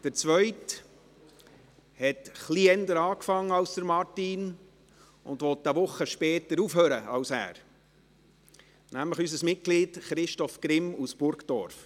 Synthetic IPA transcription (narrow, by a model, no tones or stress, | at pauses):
d̥əɾt͡sʋœʏt | hɛtχliɛnd̪əɾɑːkfɑŋːəɑʊsd̪̥əɾmɑɾtin | ʊ̰nd̪ʋɔt̪ːəʋʊχːəʃpɛːtəɾufɦøːɾəɑwsæ̰ːɾ | næmləχysəsmɪt̚kliːtχɾɪʃtɔfkɾɪmusb̥ʊɾktɔ̰ɾf